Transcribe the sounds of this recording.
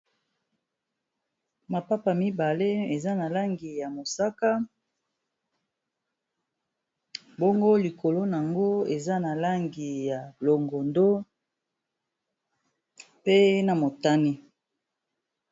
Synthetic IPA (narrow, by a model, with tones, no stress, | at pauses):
ma˨pa˦pa˨mi˦ba˨le˦e˨za˦na˨la˦ŋɡi˨ja˨mo˨sa˦ka˦ | bo˦ŋɡo˦li˨ko˨lo˦n˨a˨ŋɡo˦e˨za˦na˨la˦ŋɡi˨ja˨lo˨ŋɡo˨ndo˦ | pe˦na˨mo˨ta˦ni˦